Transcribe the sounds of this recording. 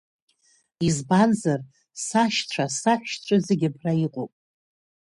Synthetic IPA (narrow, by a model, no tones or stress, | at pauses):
izbanzar | saʃt͡ɕʷʰasaʃᶣt͡ɕʷʰazeɡʲapʰraiqʼopʼ